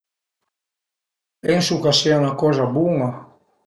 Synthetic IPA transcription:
ɛŋsukasianakɔzabuŋa

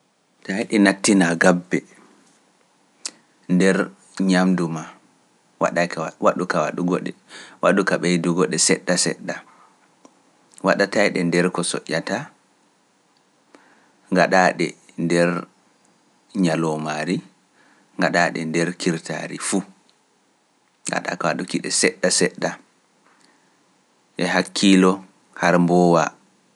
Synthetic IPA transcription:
tajɗɛnatːinaɡabːɛ | ndɛɾ | ɲamduma | wa̰ɗawaɗukawaɗuɡɔɗɛwaɗukaɓɛjduɡɔɗɛsɛɗːasɛ̰ɗːa | waɗatajɗɛndɛɾkɔsɔ̰ʔːata | ŋɡaɗaɗɛ̰ | ndɛɾ | ɲalɔmaɾi | ŋɡaɗaɗɛ̰ndɛɾkʰiɾtʰa̰ɾifu | ŋɡa̰ɗa̰kawaɗukiɗɛsɛɗːasɛɗːa | ʔɛɦakʰːilɔ | haɾmbɔːwa̰

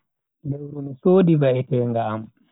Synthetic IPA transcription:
lewɾunisoːdivaɛtɛŋɡaːm

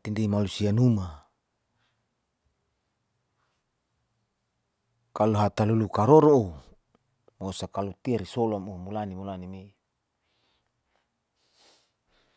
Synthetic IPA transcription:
t̪indemalusianuma | kaluɦat̪alulukaɾoɾoo | mosakalut̪iaɾisolamomulanimulanime

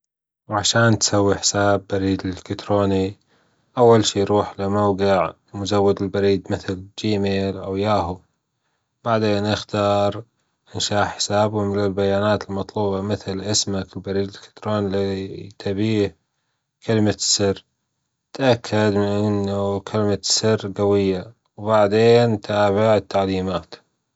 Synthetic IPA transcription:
wʕaʃaːnt̪sawːiħɪ̥saːbːaɾiːd̪ɪlkɪt̪ɾoːni | ʔawːalʃiːjɾuːħlɪmawɡɪʕ | mʊzawːad̪ɪlbaɾiːd̪mɪθld͡ʒiːmeːlʔawjaːɦu | b̥aʕd̪eːnʔaxt̪ɑːɾˤ | ʔɪnʃaːʔħɪ̥saːbʊmɪlɪlbajaːnaːt̪ɪlmɑt̪ˤluːbɑmɪθlʔɪsmakɪlbaɾiːd̪kḁt̪ɾoːnlit̪ʰabiːh | kʰalmasɪr | t̪ʔakʰːad̪mɪnʔɪnːukʰalmasɪrːɡawɪjːa | wbaʕd̪eːnt̪ʰaːbɪʕɪt̪ːaʕliːmaːt̪

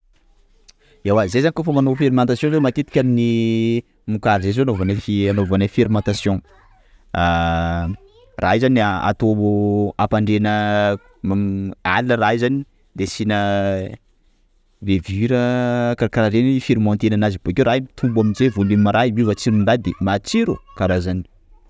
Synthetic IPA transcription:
ewazezanikofəmanofeɾimãnt̪asjɔ̃zemat̪et̪i̥kʲamni | mukaɾizezoanovanafianovanafeɾimãnt̪asjɔ̃ | a | ra̰izanaa̰t̪oapaɳɖ͡ʐenə | mama̰linəraizani | d̪esinə | veviɾəkaɾakaɾaɾenifiɾimɔ̃nt̪enanazib̥okʲeɾaiit̪ʰumbuaminzevoneimaɾaiwivat͡siɾunɳɖ͡ʐad̪emat͡siɾukaɾazani̥

